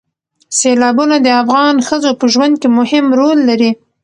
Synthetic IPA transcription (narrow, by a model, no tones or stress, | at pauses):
selɑbunad̪əafɣɑnxəzopəʒwand̪̚kemʊhɪmɾolːaɾi